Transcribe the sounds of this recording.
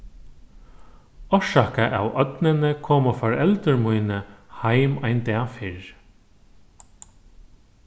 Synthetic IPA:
ɔʂakaʔa̰wʔœt̪nɪnəkʰɔːmɔfɔɹɛlt̪əɹmujnəhajmajnt̪ɛːfɪɹ

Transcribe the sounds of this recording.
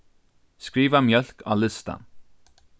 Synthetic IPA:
skɾiːvamjœl̥ka̰lɪst̪a̰n

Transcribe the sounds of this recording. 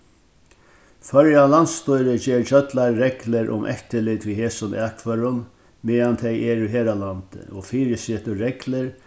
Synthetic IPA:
fœɾjalant̪st̪ɔjɾəd͡ʑɛːɾt͡ɕœt̪laɾːɛklɪɾʔʊ̰mʔɛ̰ht̪əlɪt̪ʋiheːsʊnɛːkʰvœɾʊn | mɛːant̪ʰɛjɛɾʏɦeːɾalant̪ə̰ɔfiːɾɪsɛːt̪ʊɾɛklɪɾ

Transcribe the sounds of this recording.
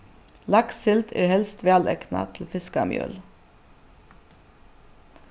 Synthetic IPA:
lɑksɪlt̪ʰæ̰ːɾhɛlst̪ʋeɑlɛknɑ̰t̪ʰl̩fɪskɑmjœ̰ːl

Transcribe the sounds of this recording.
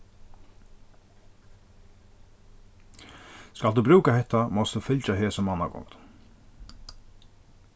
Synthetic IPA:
skald̪uːbɾʉːkahɛht̪ːamɔst̪d̪ufʏlt͡ʃaɦeːsɔmːanːa̰kɔ̰ŋt̪

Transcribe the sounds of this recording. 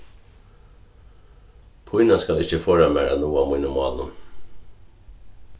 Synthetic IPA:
pʰʊjnaskalɪht͡ɕəføːɹamæːɹa̰nuːamːujnʊmɑ̰ːlʊ̰

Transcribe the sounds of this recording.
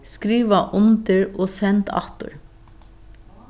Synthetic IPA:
skɾiːʋɑʔʊnt̪əɹoːsɛnt̪ʰɑ̰t̪ʊ̰ɹ

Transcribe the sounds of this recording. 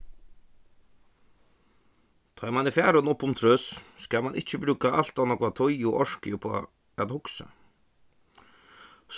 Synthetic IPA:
t̪ʰɔjmanɪfæːɾʊnʊpːʊmt̪ʰɾœsskamanʔɪht͡ɕːɪbɾʉːkaʔal̥t̪avnɔkat̪ʰɔjʊʔɔɹ̥kɪjʊpʰɔː | ɛt̪hʊksa̰ | s

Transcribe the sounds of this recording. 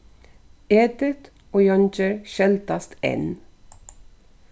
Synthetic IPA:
eːd̪ɪt̪ | oːjɑnt͡ʃəɹʃɛlt̪ɑst̪ḛːn

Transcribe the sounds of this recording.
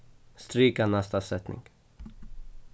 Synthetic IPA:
st̪ɾiːkanɛst̪asɛt̪nʔɪ̰ŋɡ

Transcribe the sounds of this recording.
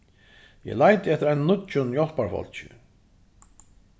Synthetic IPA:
jɛ̰lajt̪əɛft̪ɪɾaɪnnʊt̪t͡ʃʊnjɔlpaɹfɔ̰l̥t͡ɕɪ̰

